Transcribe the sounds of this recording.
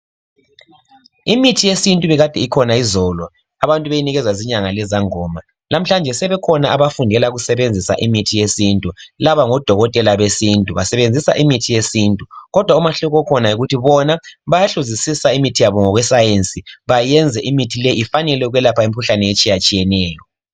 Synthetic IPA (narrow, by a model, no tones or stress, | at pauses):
imitʰijesintʼuβɛɣad̥ʱɛikʰɔnaizɔlɔ | aβantʼuβejiniɣɛzwaziɲaŋalɛzaŋɔːma | nam̩ɬand͡ʒʱɛsɛβɛkʰɔnaʔaβafundʱɛlaɣusɛβend͡zʱisa̰ʔimitʰijesintʼulaβaŋɔd̥ʱɔɣɔtʼɛlaβesintʼuβasɛβend͡zʱisa̰ʔimitʰijesintʼuɣɔd̥ʱwaumaɬuɣɔkʰɔnaiɣutʰiβɔnaβajaɬuzisisaimitʰijaβɔŋɔɣwɛsajent͡sʼiβajɛnd͡zʱɛʔimitʰilɛifanɛlɛuɣwɛlapʰaemikʰuɬanɛjet͡ʃʼijat͡ʃʼijɛnɛːjɔ